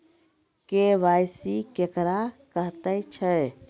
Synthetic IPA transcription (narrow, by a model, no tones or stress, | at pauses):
keʋajsikekɾakəɦt̪əjt͡ʃʰə